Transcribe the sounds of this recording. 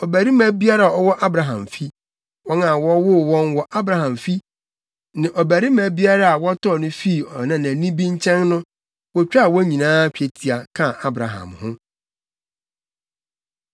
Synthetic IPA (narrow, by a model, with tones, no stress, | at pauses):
ɔ˨bæ˨ɾi˦mæ̃˨bi˦a˦ɾa˦˨a˨ɔ˦wɔ˦ʔa˦bɾa˨ɦã˨mfi˦ | wɔ̃˦nã˨wɔ˦wʊ˦˨wɔ̃˦nwɔ˨ʔa˦bɾa˨ɦã˨mfi˦ | nã˨ʔɔ˨bæ˨ɾi˦mæ̃˨bi˦a˦ɾa˦a˨wɔ˦tʰɔ˦˨nʊ̃˦fi˦˨ɔ˨nã˨næ̃˨nĩ˦bĩ˦ɲ˦t͡ɕʰɛ̃˦nnʊ̃˦ | wɔ˦t͡ɕᶣa˦˨wɔ˦ɲĩ˨nãː˦kᶣe˨tʰi˨a˨kʰã˦˨a˦bɾa˨ɦã̰˨mhʊ̃˦